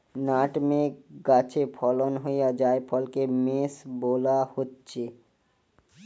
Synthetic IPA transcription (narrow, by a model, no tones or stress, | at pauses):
naːʈmẽɡaːt͡ʃʰepʰɔːlɔnɦojad͡ʒaːepʰɔlkemeːsboːlahot̪t͡ʃʰe